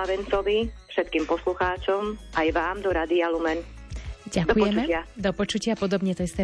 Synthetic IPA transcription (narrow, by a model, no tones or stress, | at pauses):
aʋɛnt͡sɔʋifʃɛt̪̚kiːmpɔsluxaːt͡ʃɔmajʋaːmd̪ɔɾaːd̪ialumɛn | ɟakd̪ɔujɛt͡ʃmɛɪad̪ɔpɔt͡ʃucɪapɔd̪ɔbɲɛt̪ɔist̪ɛ